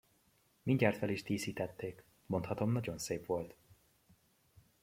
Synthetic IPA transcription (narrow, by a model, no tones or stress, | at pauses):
miɲɟaːrt̪fɛliʃt̪iːsiːt̪ɛt̪ːeːk | mo̞nt̪hɒt̪o̞mnɒɟo̞nseːpʋo̞lt̪